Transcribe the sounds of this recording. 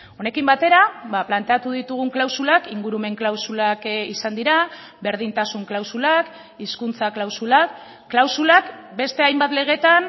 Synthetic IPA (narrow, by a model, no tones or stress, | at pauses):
o̞ne̞kimbat̪e̞ɾaβaplant̪e̞at̪uðit̪uɣ̞uŋklawsulakiŋɡuɾume̞ŋklawsulakisand̪iɾa | be̞ɾð̞int̪asuŋklawsulak | iskunt͡saklawsulakː | lawsulakbe̞st̪e̞ajmbat̪le̞ɣ̞e̞t̪an